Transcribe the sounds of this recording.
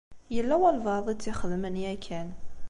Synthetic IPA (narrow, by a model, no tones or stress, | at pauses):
jəlːæwælvɑðˤit͡sːɪχəðmənjækʰːæn